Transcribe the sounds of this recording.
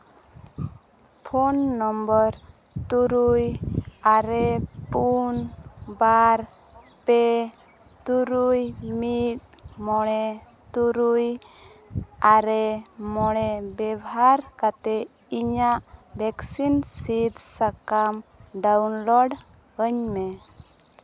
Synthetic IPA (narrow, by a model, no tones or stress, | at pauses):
pʰonːɔmbəɾ | t̪uɾujaɾɛpunbaɾ | pɛ | t̪uɾujmit̪̚mɔɽ̃ɛ | t̪uɾuj | aɾɛmɔɽ̃ɛbɛbɦaɾkat̪ɛ | iɲaʔbʱɛksinsid̪sakamɖawnlɔɖ | əɲmɛ